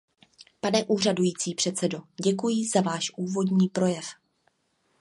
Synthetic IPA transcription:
panɛʔuːradujiːt͡siːpr̥ɛt̪t͡sɛdo̞ɟɛkujɪzavaːʃʔuːvo̞dɲiːpɾo̞jɛf

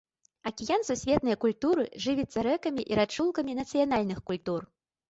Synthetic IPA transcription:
ɐkʲijansusʲvʲɛt̪nɨjɐkulʲt̪uɾɨ̰ʐɨvʲit̪sːɐɾɛkɐmʲiʔiɾat͡ʂːulˠkɐmʲinɐt̪sɨjan̪alʲnɨxkulʲt̪ur

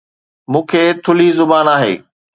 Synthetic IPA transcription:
mũːkʰeːt̪ʰʊlizʊbaːnaːɦḛː

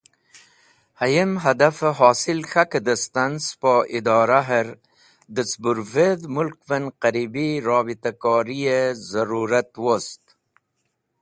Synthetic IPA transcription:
hajəmɦad̪afəɦɑːsilxakəd̪əst̪anspoʔid̪ɑːɾaɦəɾ | d̪ət͡sbuɾved̪mʊlkvənqaɾibiɾɑːbit̪akɑːɾijezaɾuɾat̪wost̪

